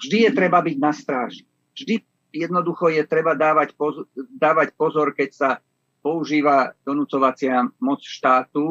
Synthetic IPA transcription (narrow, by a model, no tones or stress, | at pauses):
vʒd̪ijɛt̪ɾɛbabiɟnast̪ɾaːʒi | vʒd̪i | jɛd̪nɔd̪uxɔjɛt̪ɾɛbad̪aːʋacpɔd̪aːʋacpɔzɔɾkɛcsa | pɔuʒiːʋad̪̥ɔnut͡sɔʋat͡sɪamɔt͡sʃt̪aːt̪u